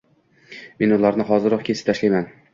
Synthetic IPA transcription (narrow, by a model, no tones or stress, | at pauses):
me̞nʊlˠaɾnɪɦɒzɪɾɒqkʲʰesɪ̥p̚t̪ʰaʃlajman